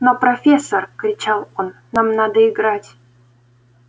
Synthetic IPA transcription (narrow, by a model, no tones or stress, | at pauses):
nopɾɐfʲesːərkɾʲɪt͡ɕalˠonːamnad̪əɪɡɾatʲ